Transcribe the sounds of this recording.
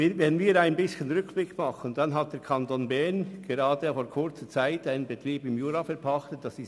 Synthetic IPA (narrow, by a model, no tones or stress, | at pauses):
vɛnviːɾaɪnbɪsçənʁʏkb̥lɪkmɑχən̩d̥ɑnɦat̚d̥ɛːɐkʰɑntonbɛɐnɡ̥eɾɑːdəfoːkʰʊɾt͡sət͡saɪtaɪnənbətʁiːbɪmjuːɾɑfɛɐpʰɑχtət̚d̥ɑsɪs